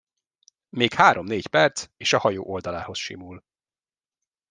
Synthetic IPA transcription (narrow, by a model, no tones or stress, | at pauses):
meːkhaːɾʔo̞mneːcpɛrt̪seːʃɒhɒjo̰ːʔo̞ld̪ɒlaːho̞sʃḭmuːl